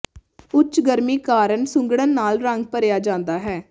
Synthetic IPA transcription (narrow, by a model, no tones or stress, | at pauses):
ʊt͡ʃɡəɾmiːkaːɾənsʊ̃ŋɡɽənːaːlɾəŋɡ̚pəɾjaːd͡ʒãːnd̪aːɦɛː